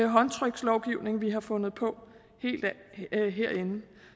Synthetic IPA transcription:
ɦɒ̽nt͡sʰʁœɡ̥slɒʊɡ̥iʊ̰ne̝ŋʋiɦɑ̈fɔ̽nð̩ˠpʰɒ̽ | he̝̰ːld̥ɦeɐ̰e̝n̩

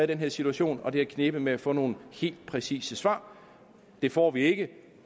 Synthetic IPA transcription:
ðid̥enɦeɐ̰sit͡sʰuæɕo̝̰ːnɒ̽d̥e̝ækʰne̝b̥əmeæfɔ̰̽ːno̝ːn̩he̝̰ːld̥̚pʰʁɛsḭːsəsʋɑ̰̈ː | d̥e̝fɒ̰ːʋie̝ɡ̥ə

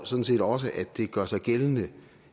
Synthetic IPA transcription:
sɒ̽d̥n̩se̝̰ːdɒ̽s̬əʔæd̥ːe̝ɡ̥ɶɐ̰sɑ̈ɪɡ̥eln̩ə

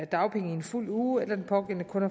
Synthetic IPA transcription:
æd̥ɑ̈ʊpʰeŋəie̝nful̰uːelɐdenpʰɒɡ̥el̰nəkʰɔ̽nɐ

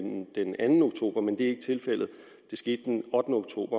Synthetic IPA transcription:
nd̥enænn̩o̝ɡ̥t͡sʰo̝̰ːb̥ɐmend̥e̝æe̝ɡ̥t͡sʰe̝lfel̰ð̩ˠ | d̥e̝sɡ̥e̝̰ːd̥əd̥enɒ̽d̥n̩əoɡ̥̚t͡sʰo̝̰ːb̥ɐ

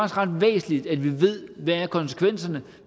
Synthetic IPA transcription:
sʁɑ̈d̥ʋḛːsn̩lid̥æd̥ʋiʋe̝ð̞̰ˠʋææɐkʰɒ̽nsə̥kʰʋen̰sɐnə

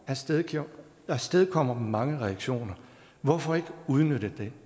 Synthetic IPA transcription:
æɐ̥ | ɑsd̥eðˠkʰɒ̽m̰ɐmemɑ̈ŋəʁɛæɡ̥ɕo̝̰ːnɐ | ʋɒfɒ̽e̝ɡ̥əuð̞ˠnøɾ̥əd̥e̝

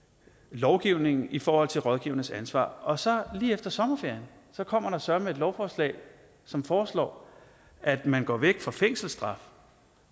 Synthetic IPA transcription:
lɒʊɡ̥iʊ̰ne̝ŋn̩ʔifɒːhɒ̽l̰t͡sʰe̝lʁɒ̽ð̞ˠɡ̥iʊɐnəsænsʋɑ̰̈ːɒ̽sɒ̽liːefd̥ɐsɒ̽mɐfe̝ɐ̰jənsɒ̽kʰɒ̽m̰ɐɾɑ̈sɶɐɐmee̝d̥lɒʊfɒːslɛ̰ːɪ | sɒ̽mfɒːslɒ̰ː | ʔæd̥mænɡ̥ɒ̰ːʋeɡ̥fʁɑfeŋ̰sl̩sd̥ʁɑ̈f

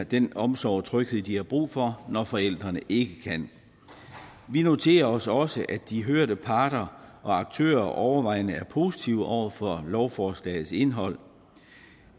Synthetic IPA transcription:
d̥enɒ̽msɒʊ̰t͡sʰʁœɡ̥əlˠd̥ihɑ̈b̥ʁṵːfɒ̽nɒfɒ̽el̰d̥ʁɐnəʔe̝ɡ̥əkʰæn | ʋino̝t͡sʰe̝̰ːɐɒ̽sɒ̽səʔæd̥iɦøɐɾ̥əpʰɑ̈ːd̥ɐʔɒ̽ɑ̈ɡ̥̚t͡sʰø̰ːɐʔɒʊɐʋɑ̈ɪ̰nəæɐpʰo̝ːsit͡sʰiʊʔɒʊ̰ɐfɒlɒʊfɒːslɛ̰ɪð̩ˠse̝nɦɒ̽l̰

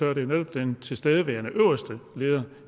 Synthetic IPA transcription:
ɶɐɾ̥e̝ned̥ɒ̽b̥̚d̥ent͡sʰe̝lsd̥eːð̞ˠəʋæːɐnəʔøʊ̰ɐsd̥əle̝ːðˠɐ

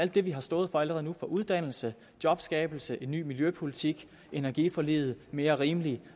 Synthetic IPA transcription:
æl̰d̥ːe̝ʋiɦɑ̈sd̥ɔ̽ːð̞̩ˠfɒ̽æləʁɛð̩ˠnufɒ̽ʔuð̞ˠd̥æn̰l̩sə | d̥jɒ̽b̥sɡ̥ɛːb̥l̩səʔe̝nːy̰ːmiljøpʰo̝lit͡sʰiɡ̥ | e̝næɐɡ̥ifɒ̽lḭːð̩ˠme̝ːɐʁiːməli

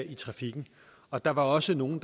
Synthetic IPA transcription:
it͡sʰʁɑ̈fiɡ̥n̩ | ɒ̽d̥ɑ̈ʋɑ̈ɒ̽səno̝ːn̩d̥

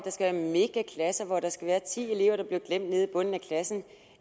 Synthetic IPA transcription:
d̥ɑ̈sɡ̥æʋæːɐme̝ɡ̥ækʰlæsɐʋɒɾ̥ɑ̈sɡ̥æʋæːɐt͡sʰḭːe̝le̝ʊ̰ɐɾ̥ɑ̈b̥leʊɡ̥lem̰d̥ne̝ð̞ˠib̥ɔ̽n̰n̩ækʰlæsn̩

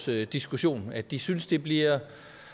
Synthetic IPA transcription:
sd̥isɡ̥uɕo̝̰ːnæ̥isynsd̥e̝b̥liɐ

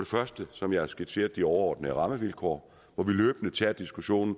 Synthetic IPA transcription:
ɒɾe̝fɶɐsd̥əsɒ̽mjɑ̈ɪæɐsɡ̥e̥sʰe̝̰ːɐð̥ˠiɒʊɐɒ̰ːd̥nəʁɑ̈məʋilkʰɒ̰ː | ʋɒʋilø̰ːb̥nət͡sʰɛɐd̥isɡ̥uɕo̝̰ːnn̩

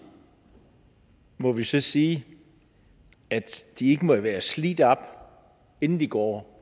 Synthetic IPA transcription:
mɔ̽ʋisɒ̽siː | æd̥d̥ie̝ɡ̥əmɒʋæːɐsliːd̥ɒb̥ | e̝nn̩d̥iɡ̥ɒ̰ː

